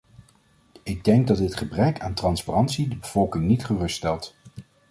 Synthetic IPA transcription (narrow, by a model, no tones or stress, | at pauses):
ɪɡ̚dɛŋɡ̚dɑdɪtχəbrɛkaːntrɑnsparɑntsidəbəv̥ɔlˠkɪŋnitχərɵstːstɛlˠt